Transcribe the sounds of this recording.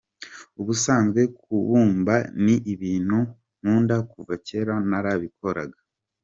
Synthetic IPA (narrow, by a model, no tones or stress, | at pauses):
uβusaːnzɡwe̞kuβuːmbaniʔiβiːnhu | nuːndakuvace̞ɾanaɾaβiko̞ɾa̰ɡa